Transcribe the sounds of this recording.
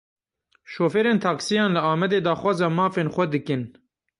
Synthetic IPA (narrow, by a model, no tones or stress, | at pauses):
ʃoːfeɾeːnt̪ʰɑːksijɑ̃ːnlɨaːmɛd̪eːd̪ɑːxwɑːzɑmɑːfeːnxʷɛd̪ɨkɨn